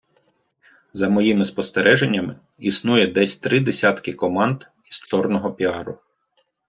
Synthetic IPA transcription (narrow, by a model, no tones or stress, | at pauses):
zɐmɔjimɪspɔst̪eɾʔɛʒenʲːɐmɪ | isnujɛd̪ɛsʲt̪ɾɪd̪esʲɑt̪kɪkɔmɑnd̪ | izt͡ʃɔrnɔɦɔpʲiɑɾʊ